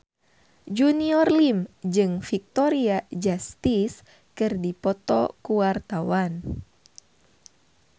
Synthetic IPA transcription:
d͡ʒuniɔrlimd͡ʒɨŋfik̚t̪ɔɾiad͡ʒast̪is | kɨrdipɔt̪ɔ̰kuwart̪awan

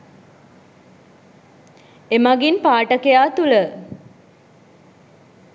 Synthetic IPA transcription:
emaɡinpaːʈəkejaːt̪ulə

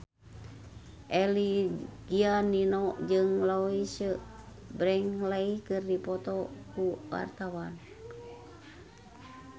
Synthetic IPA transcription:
ʔɛliɡ̥ianinoʔd͡ʒɨŋlaisə | bɾɛŋlaikɨrdipɔt̪ɔkuwa̰rt̪awan

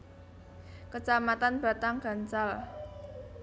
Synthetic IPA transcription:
kət͡ʃamat̪anb̥a̤t̪aŋɡ̥a̤nt͡ʃal

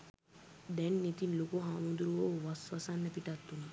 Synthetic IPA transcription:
d̪ɛnːit̪inlokoɦaːmund̪ɾuɭoːʋasʋasanːəpiʈat̪ːuni

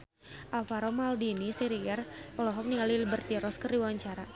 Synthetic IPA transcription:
ʔalfaɾɔmaldinisiɾiɛrpɔlɔɦɔk̚niŋɡalilibərt̪iɾɔskəriwaɲt͡ʃaɾa

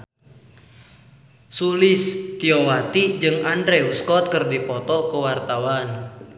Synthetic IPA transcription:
sulɪst̪iɔwat̪id͡ʒɨŋandɾeuskɔt̪̚kɨrdipɔt̪ɔkəwart̪awan

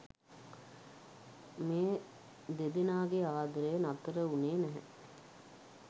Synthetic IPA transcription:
meː | d̪ed̪inaːɡeaːd̪əɾəjənat̪əɾəuneːnæɦɛ̰

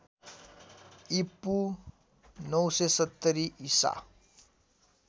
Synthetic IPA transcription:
ipːu | nʌwsesʌt̪ːʌɾiisa̰

